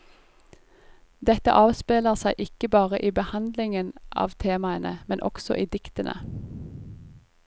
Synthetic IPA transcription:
d̪ɛt̪ə̰ʔɑːʋspeːləʁsæɪʔɪkəbɑːʁəʔiːbəhɑnd̪lɪŋənʔɑ̰ːʋt̪ʰeːmɑənəmɛnʔɔ̰ksɔ̰ʔiːd̪ɪkt̪ənʔə̰

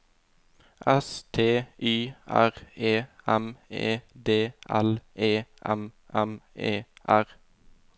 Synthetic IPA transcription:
ʔɛst̪ʰeːʔyːʔæ̰ʁeːɛmeːd̪eːʔælʔeːʔɛ̰mʔɛmeːʔæʁ

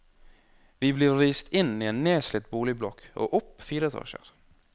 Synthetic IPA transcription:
ʋiːbliːɾːiːst̪ʰɪniːenneːslɪt̪̚buːlɪblɔkʔo̰ːʔʊpːfiːɾət̪ʰɑ̰ːʃə̰ɾ

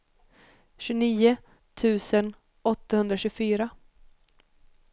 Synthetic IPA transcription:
ɕɵniːʊ | t̪ʰʉ̟ːsən | ɔt̪ːahɵnd̪ɾaɕʉɡfyːɾa

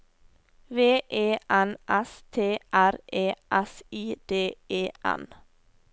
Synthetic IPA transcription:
ʋeːʔeːʔænʔɛst̪ʰeːʔæɾʔeːʔæsiːd̪̥eːeːʔæ̰n

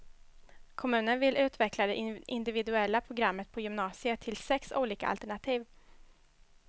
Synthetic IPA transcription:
kʰɔmʉ̟ːnənvɪlʉ̟ːt̪vɛklad̪ɛʔʔɪnd̪ɪvɪd̪ɵɛlːapʰɾʊɡɾamːət̪̚pʰɔjʏmnɑːsɪət̪ʰːɪlsɛksṵːliːka̰a̰lt̪ɛɳat̪ʰiːv

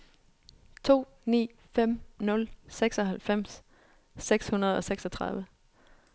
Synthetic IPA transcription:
t͡sʰo̝̰ː | nḭː | fem̰nɔ̽lseɡ̥sɒ̽ɦælfem̰sː | eɡ̥shunɐð̞̩ˠɒ̽seɡ̥sɒt͡sʰʁɑ̈ðˠʋə

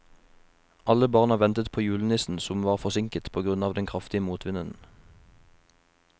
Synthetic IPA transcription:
ʔɑləbɑːʁnɑʋɛnt̪ət̪pʰoːjʉːln̩ɪsn̩sɔmʋɑːʁfɔʁsɪŋkət̪pʰoːɡʁʉnɑːʋd̪ɛnkʰʁɑft̪ɪəmuːt̪ʰʋɪnənn̩

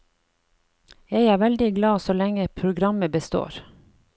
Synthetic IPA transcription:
jæɪæːɾʋɛld̪ɪɡlɑːsoːlɛŋəpʰɾʊɡɾɑməbəst̪o̰ːɾ

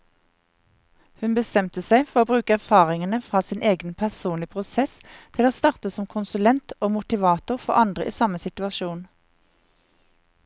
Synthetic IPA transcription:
hʉnbəst̪ɛmt̪əsæɪfɔʁoːbʁʉːkəæʁfɑːʁɪŋənəfʁɑːsɪːnʔeːɡənpʰæʁsuːnlɪpʰʁʊsɛst̪ʰɪloːst̪ɑːʁt̪əsɔmkʰʊnsʉlɛnt̪oːmʊt̪ɪʋɑːt̪ʊʁfɔʁʔɑnd̪ʁə̰ʔḭːsɑməsɪt̪ʉɑʃuːn

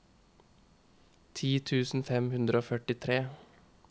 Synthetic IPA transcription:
t̪ʰiːt̪ʰʉːsn̩fɛmhʉnd̪ɾəoːfœʈɪt̪ʰɾeː

